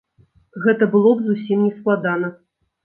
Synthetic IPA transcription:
ɣɛt̪ɐbɨlˠɔbzusʲimnʲɛsklˠad̪anɐ

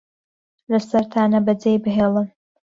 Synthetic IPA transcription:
lɐsɐɾt̪ʰaːnɐbɐd͡zejbɨɦeːlˠɨm

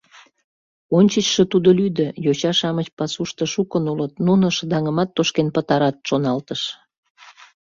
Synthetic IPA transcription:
onʲt͡ɕət͡ɕʃət̪ud̪olyd̪ə̆jot͡ɕɑʃɑmət͡ɕpɑsuʃt̪ə̆ʃukənulət̪nunoʃəd̪ɑŋəmɑt̪ːoʃkenpət̪ɑɾɑt̪ʃonɑlt̪əʃ

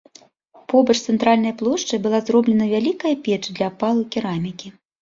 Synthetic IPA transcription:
pɔbɐt͡ʂt̪sɛnt̪ɾalʲnɐjɐplˠɔʂt͡ʂɨjbɨlˠazrɔblʲɛnɐvʲalʲikɐjɐpʲɛt͡ʂɨd̪lʲɐːpalˠukʲiɾamʲikʲi

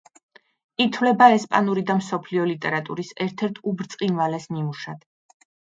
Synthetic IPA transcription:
it̪ʰvlɛbaɛspʼanuɾid̪amsɔpʰliɔlit̪ʼɛɾat̪ʼṵɾisɛɾt̪ʰɛɾt̪ʰubɾt̪sʼqʼinvalɛsnimuʃad̪̥

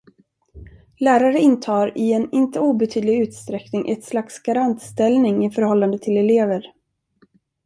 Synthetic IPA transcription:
læːɾaɾəɪnt̪ʰɑːɾɪɛnɪnt̪əuːbɛt̪ʰyːd̪lɪɡʉ̟ːt̪st̪ɾɛknɪŋʔɛt̪slaksɡ̥aɾant̪st̪ɛlnɪŋɪfœɾhɔlːand̪ət̪ʰɪlɛleːvəɾ

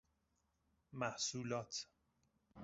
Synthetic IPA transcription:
mæhsuːlɒːt̪ʰ

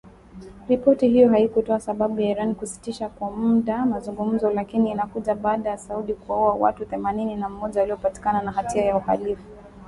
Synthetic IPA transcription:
ɾipɔtiɦijɔɦaikutɔasaɓaɓujaiɾanikusi̥tiʃakwamuɗamazuŋɡum̩zɔlakiniːnakuʄaɓaːɗajasauɗikuaɔwawa̰tuθɛmanininam̩mɔʄawaliɔpati̥kananaɦatiajauha̰lifu

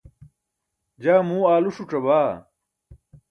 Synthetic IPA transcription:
d͡ʑaːmuːaːluʂuʈ͡ʂɐbaː

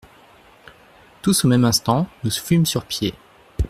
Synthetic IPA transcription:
t̪usomɛmɛ̃st̪ɑ̃nusfymsyʁpje

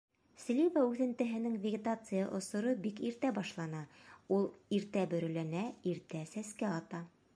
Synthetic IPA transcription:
slʲivaʉθɘ̆nt̪ɘ̆ɦɘ̆nɘŋvʲɪɡʲɪt̪at̪sɨja̰ʔŏsŏɾɤbikiɾt̪æbɑʃlˠɑnɑulˠiɾt̪æbɵ̆ɾɵ̆lænæiɾt̪æsæskæɑt̪ɑ

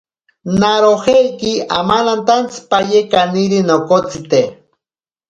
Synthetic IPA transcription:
naɾohejkiamalant̪ant͡si̥pajekaniɾinokot͡sit̪e

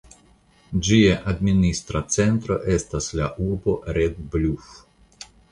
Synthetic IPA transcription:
d͡ʒiaʔad̪minist̪ɾat͡se̞nt̪ɾo̞̰ʔe̞staslaʔuɾbo̞ɾed̪bluf

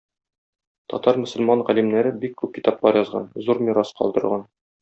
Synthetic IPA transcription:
t̪ɒ̰t̪ɑɾmɵ̆sɵ̆lmɑɴʁælimnæɾɘbikːʉp̚kit̪ɑplˠɑɾjɒzʁɑ̰nzuɾmʲiɾɑsqɒ̰lˠd̪ɤ̆ɾʁɑn

